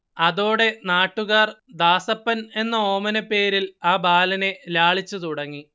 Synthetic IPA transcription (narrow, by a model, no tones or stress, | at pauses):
ɐðo̞ːɽe̞naːʈːuɣaːrd̪aːsɐpːɐne̞nːɐo̞ːmɐnɐpːe̞ːɾilaːbaːlɐne̞laːɭit͡ɕːut̪uɽɐŋːi